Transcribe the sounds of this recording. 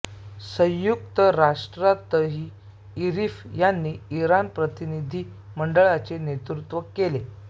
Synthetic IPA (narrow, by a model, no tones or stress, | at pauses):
sə̃jjukt̪əɾaʂʈɾat̪əɦiː | iɾifjanːiːiɾanpɾət̪inid̪ʱiː | məɳɖəɭat͡senet̪ɾut̪ʋəkele